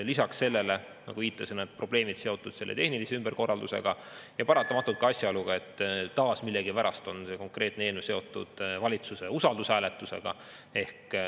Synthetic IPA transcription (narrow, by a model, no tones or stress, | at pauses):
lisɑksːe̞lːe̞le | nɑ̰ɡuviːt̪ːˑɑsenːed̪̚pro̞b̥le̞ːmid̪̥se̞o̞t̪ˑːud̪̥se̞lːet̪e̞hniliseymb̥eɾko̞rːɑld̪use̞̰ɡ̥ɑ | jɑpɑɾɑt̪ːˑɑmɑt̪ːˑult̪̚kɑɑsʲjɑoluɡ̥ɑe̞t̪ːɑːsmilːeɡipæɾʔɑst̪o̞nse̞ko̞ŋkre̞ːt̪neeːlnese̞o̞t̪ːˑṵd̪̥vɑlʲit̪suseusɑld̪usæːlet̪ːˑuse̞̰ɡ̥ɑ̰ | e̞hk